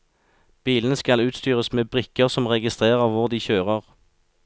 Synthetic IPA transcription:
b̥iːln̩əskɑlʉːt̪st̪yːʁəsmeːbʁɪkəʁsɔmʁɛɡɪst̪ʁeːʁəʁʋʊʁd̪iːçøːʁəʁ

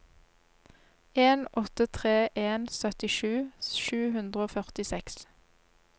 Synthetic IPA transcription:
eːnʔɔt̪ət̪ʰʁeːʔeːnsœt̪ɪʃʉːʃʉːhʉnd̪ʁəoːfœʁt̪ɪsɛks

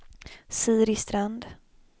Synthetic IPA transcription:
siːɾɪst̪ɾand̪

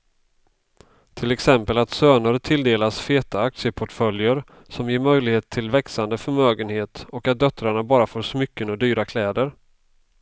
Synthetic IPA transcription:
t̪ʰɪlɛksɛmpəlat̪søːnəɾt̪ʰɪld̪eːlasfeːt̪aak̪̚sɪəpʰɔʈfœljəɾ | sɔmjeːɾmœjlɪɡheːt̪ʰːɪlvɛksand̪əfœɾmøːɡənheːt̪ɔkat̪̚d̪œt̪ɾaɳabɑːɾafoːʂmʏkːənɔd̪yːɾakʰlɛːd̪əɾ

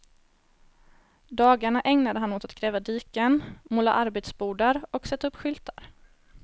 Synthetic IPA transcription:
d̪ɑːɡaɳaʔɛŋnad̪əɦanːoːt̪at̪ɡɾɛːvad̪iːkənmoːla̰ʔaɾbeːt̪sbuːɖaɾɔksɛt̪ːaɵpːɧʏlt̪ʰa̰ɾ

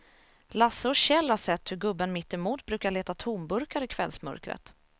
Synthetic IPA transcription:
lasːəɔɕɛlːhaʂɛt̪ːhɵɾɡɵbːənmɪt̪ːɪmuːt̪̚bɾʉ̟ːkaɭeːt̪at̪ʰuːmbɵɾkaɾɪkʰv̥ɛlsmœ̰ɾkɾə̰t̪

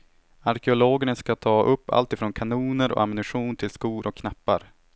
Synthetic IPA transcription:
aɾkɛʊloːɡəɳəskat̪ʰɑːʔɵpːa̰lt̪ɪfɾoːnkʰanuːnəɾɔ̰ʔamɪnɵɧuːnt̪ʰɪlskuːɾʔɔkʰːnapːa̰ɾ

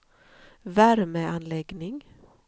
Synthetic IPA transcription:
væɾməanlɛɡnɪŋ

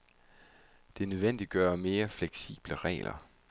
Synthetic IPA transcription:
d̥e̝nøð̞ˠʋen̰d̥iɡ̥ɶːɐme̝ːɐfleɡ̥sḭːb̥ləʁɛ̰ːlʔɐ̰

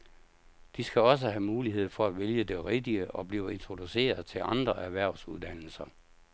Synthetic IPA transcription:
d̥isɡ̥æɒ̽s̬əhæmuːliɦe̝ð̞̰ˠfɒ̽æ̥ʋeljəd̥e̝ʁed̥iəʔɒ̽b̥liːʊe̝nt͡sʰʁo̝d̥use̝̰ːɐð̞ˠt͡sʰe̝lɑ̈nd̥ʁɐʔæɐʋæɐ̰ʊsuð̞ˠd̥æn̰l̩sɐ

